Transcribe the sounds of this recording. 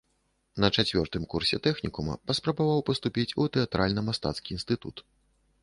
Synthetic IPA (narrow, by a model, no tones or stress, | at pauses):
nɐt͡ʂat͡sʲvʲɔrt̪ɨmkursʲɛ̰t̪ɛxnʲikumɐ̰pɐspɾɐbavawpɐst̪upʲit͡sʲut̪ɛat̪ɾalʲnɐmast̪a̰t̪skʲiːnst̪ɨt̪ṵt̪